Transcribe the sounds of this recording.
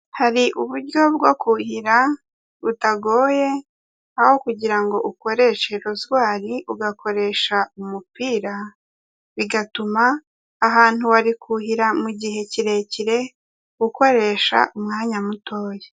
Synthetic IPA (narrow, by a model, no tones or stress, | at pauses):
haɾiʔuβuɾɟo̞bɡo̞kuhiɾa | βutaɡo̞ːje̞ | aho̞kuɟiɾaŋɡo̞ʔuko̞ɾe̞ʃe̞ɾuzɡwaːɾiʔuɡakʰo̞ɾe̞ʃaumupiːɾa | βiɡatumaː | ɦaːn̥uβaɾikʰuhiɾamuɟiɦe̞ciɾe̞ciɾe̞ | ɡuko̞ɾe̞ʃa̰ʔumŋaːɲamuto̞ːje